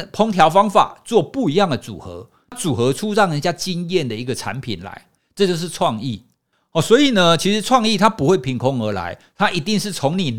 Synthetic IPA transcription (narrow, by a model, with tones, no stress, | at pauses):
pʰo˥ŋt̪ʰjɑ˧˥ʊfɑ˥ŋfa̰˨˩t͡swɔ˥˧pu˥˩i˧˥jɑ˥˩ŋd̪ə˩t͡sṵ˨˩xɤ̰˧˦ | a˥t͡su˨˩xɤ˧˦ʈ͡ʂʰu˦˥ɻɑ˥˩ŋɻə˧˥nt͡ɕja˥t͡ɕi˥njɛ˥˨nd̪ə˩i˧˥ɡə˨ʈ͡ʂʰa̰˧˦npʰḭ˨˩nla̰˧˦ɪ | ʈ͡ʂɤ˥˧t͡ɕjo˥˧ʊʂɻ̩˥˧ʈ͡ʂʰwɑ˥˧ŋi˥˩ | ɔ˨˩swɔ˧˥i˨˩nə˦t͡ɕʰi˧˥ʂɻ̩˧˦˥t͡sʰwɑ˥˧ŋi˥˨˩t̪ʰa˦˥pu˧˥xwe˥˩ɪpʰi˨˥nkʰʊ˦˥ŋə˞˧˥la̰˧˦ɪ | t̪ʰa˦˥ʔi˧˥t̪i˥˧ŋʂɻ̩˥˩t͡sʰo˧˥ŋni˨˩